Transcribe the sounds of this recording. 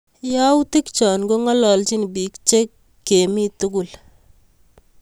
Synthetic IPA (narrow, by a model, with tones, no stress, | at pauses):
ja˦wti˦kt͡ʃɔ˨nɡo˦ŋɔ˦lɔ˨lt͡ʃi˦n˨bi˨kt͡ʃe˦kː | e˨mi˦tu˦kʊ˨l